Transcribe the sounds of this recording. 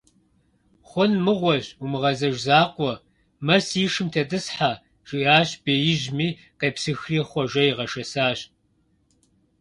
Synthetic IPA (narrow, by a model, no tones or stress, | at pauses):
χʷɔnmɨʁʷɔɕumɨʁɐzɐʒzaːqʷɔ | mɐsiːʂɨmtʰɐdɨsħa | ʒ̥ɪʔaːɕb̥eːjɪʒmiː | qeːpsɨxriːχʷɔʒʷɐjiʁɐʃɐsaːɕ